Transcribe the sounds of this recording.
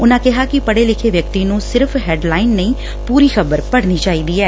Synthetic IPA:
ʊnãːkɪɦaːkɪpəɽeːlɪkʰeːʋjək̚t̪iːnũːsɪɾpʰɦɛːɖlaːɪnːəĩː | puːɾiːxəbəɾpəɽniːt͡ʃaːiːd̪iːɛː

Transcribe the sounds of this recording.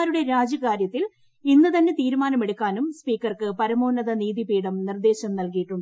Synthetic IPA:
ɾuɽe̞ɾaːd͡ʑɐkaːɾjɐt̪ːil | inːɨt̪ɐnːe̞t̪iːɾumaːnɐme̞ɽukːaːnumspiːkːɐrkɨpɐɾɐmo̞ːnɐðɐniːðipiːɽɐmnird̪e̞ːɕɐmnɐlkijiʈːuɳɖɨ

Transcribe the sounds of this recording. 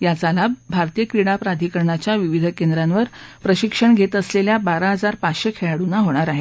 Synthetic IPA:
jat͡salabʱaɾt̪ijəkɾiɽ̃apɾad̪ʱikəɾɳat͡ɕjaʋiʋid̪ʱəkend̪ɾãnʋəɾpɾəɕikʂəɳɡʱet̪əsleljabaɾaɦəd͡zaɾpat͡sɕekʰeɭaɽunaɦoɽ̃aɾaɦe

